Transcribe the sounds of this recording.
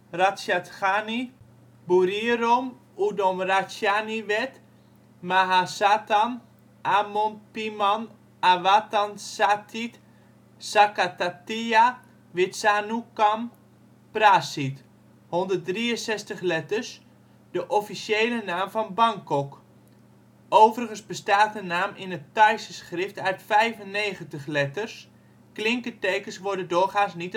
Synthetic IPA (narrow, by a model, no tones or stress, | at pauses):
rasjatxani | buriəɾom | udomrasjaniʋɛt | maɦasaːtan | ʔamonpiman | aʋatansatʰit | sakatatia | ʋɪtsanukam | prasit | hɔndərt̚driənsɛstəχlɛtərs | dəʔɔfisjejlənaːmfɔnbaŋkɔk | ʔowvərəχənzbəstaːt̚ənaːmɪnətajsəsχrɪftœɥtfɛjvənːejχəntəχlɛtərs | klɪŋkətejkənsʋʊdədʊχaːnsnit